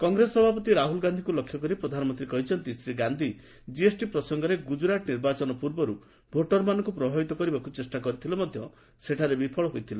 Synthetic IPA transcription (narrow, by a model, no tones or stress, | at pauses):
kɔŋɡɾesɔbʱapɔt̪iɾaɦulɡand̪ʱikulɔkʰjɔkɔɾipɾɔd̪ʱanɔmɔnt̪ɾikɔɦit͡ʃʰɔnt̪isɾiɡand̪ʱi | d͡ʒiesʈipɾɔsɔŋɡɔɾeɡud͡ʒɾaʈniɾbat͡ʃɔnɔpuɾbɔɾu | bʱoʈɔɾmanɔŋkupɾɔbʱabit̪ɔkɔɾibakut͡ʃesʈakɔɾit̪ʰilɔmɔd̪ʱjɔ | seʈʰaɾebipʰɔɭɔɦojt̪ʰila